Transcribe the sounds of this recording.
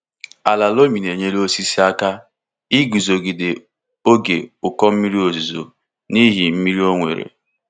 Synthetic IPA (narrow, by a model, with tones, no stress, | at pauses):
a˨la˨lo˦mi˨ne˨ɲe˦lo˦si˦si˦a˦ka˦ | i˦ɡu˨zo˨ɡi˨de˨ | o˦ɡe˨ʊ˨kɔ˦m̩˦mi˦ɾi˦o˨zu˨zo̰˨ | ni˦ɦi˨m̩˦mi˦ɾi˦o˦ŋʷḛ˨ɾḛ˨